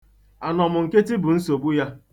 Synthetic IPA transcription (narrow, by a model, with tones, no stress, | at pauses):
a˨nɔ˨mʊ˨ŋ̩˨ke˦tɪ˦bʊ˨n̩˦so˨bu˦ja˦